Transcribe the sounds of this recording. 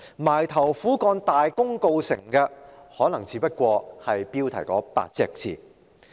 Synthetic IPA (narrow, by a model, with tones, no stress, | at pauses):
maː˨˩jt̪ʰɐ˨˩wfuː˨˥kɔː˧nt̪aː˨jkʊ˥ŋko˧wsɪ̰˨˩ŋkɛː˧hɔː˨˥nɐ˨˩ŋt͡sʰiː˨˧pɐ˥t̚kʷɔː˧hɐ˨jpiː˥wt̪ʰɐ˨˩jkɔː˨˥pa̰ː˧t̚t͡sɛ̰ː˧k̚t͡sʰiː˨˧